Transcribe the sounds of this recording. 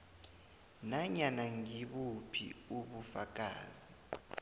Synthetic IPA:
naɲanaŋiɓupʰḭuɓufak̬ʼa̰ːzi

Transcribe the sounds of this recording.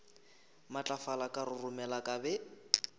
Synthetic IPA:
mat͡ɬʼafalakʼarʊrʊmɛlakʼabɛ

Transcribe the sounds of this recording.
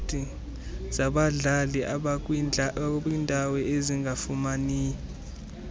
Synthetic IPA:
tʼi | z̥aɓaɮalikʼ | wiːndʱawɛeziŋɡafumaniː

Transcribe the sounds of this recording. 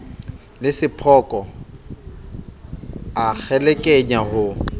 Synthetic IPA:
lɪsɪpʰɔkʼɔ | ak͡xʰɛlɛkʼeɲahʊ

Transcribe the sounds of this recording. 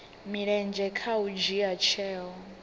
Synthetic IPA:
miɺɛnd͡ʒɛkʰaud͡ʒiat͡ʃʰɛːɦɔ

